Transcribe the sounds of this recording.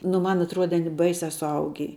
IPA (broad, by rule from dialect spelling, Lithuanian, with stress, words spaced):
nʊ ˈmɐn ɐtˈruɔdʲɛ ɐˈnʲɪ ˈbɐɪsʲɛ sʊˈɐʊɡʲiː